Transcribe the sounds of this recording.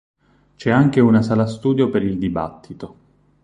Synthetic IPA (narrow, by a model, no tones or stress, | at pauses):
t͡ʃɛaŋk̟eunasaːlast̪uːd̪jopeɾild̪iba̰t̪ʰːit̪o